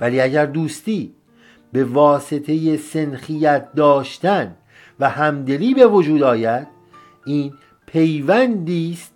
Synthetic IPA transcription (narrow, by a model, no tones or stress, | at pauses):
væliːæɟæɾd̪uːst̪iː | be̞vɒːse̞t̪ʰe̞je̞senxijæt̪̚d̪ɒːʃt̪æn | væhæmd̪e̞liːbe̞vod͡ʒuːd̪ɒːjæd̪̥ | iːn | pʰe̞jvænd̪iːst̪̚